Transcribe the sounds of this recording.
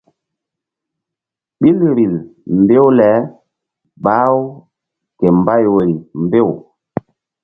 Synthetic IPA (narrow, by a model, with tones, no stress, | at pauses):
ɓi˦lɾi˨lmbe˦wlɛ˨˦ | ɓa˦w | kɛ˨mba˦jwe˨ɾi˨mbe˦˨w